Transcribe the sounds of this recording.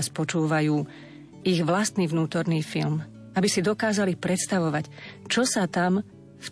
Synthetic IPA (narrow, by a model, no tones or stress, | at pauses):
spɔt͡ʃuːʋajuː | iɣʋlast̪niːʋnuːt̪ɔɾniːfilm | abisid̪ɔkaːzalipɾɛt̪st̪aʋɔʋact͡ʃɔsat̪am | f